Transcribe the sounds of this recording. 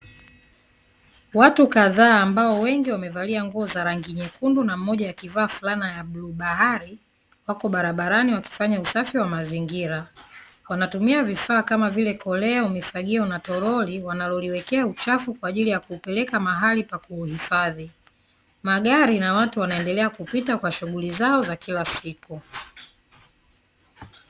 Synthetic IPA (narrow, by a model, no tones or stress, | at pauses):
watukaðaːmbaɔwɛŋɡiwamɛvaliaŋɡuɔzaɾaŋɡiɲɛkundunam̩mɔʄajakivaːfulanajabluɓaɦaɾi | wakɔɓaɾaɓaɾaniwaki̥faɲausafiwamaziŋɡiɾa | wanatumiavifaːkamavilɛkɔlɛaumifaɠiɔnatɔɾɔliwanalɔliwɛkɛaut͡ʃafukwaːʄilijakuːpɛlɛkamaɦalipakuːhifaði | maɠaɾinawatuwanaɛndɛlɛakupitakwaʃuɠulizaɔzakilasiku